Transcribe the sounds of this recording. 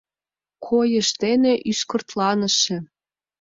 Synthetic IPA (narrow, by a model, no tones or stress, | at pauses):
kʰojə̆ʃt̪eneʔyʃkɤ̆rt̪lɑnə̆ʃĕ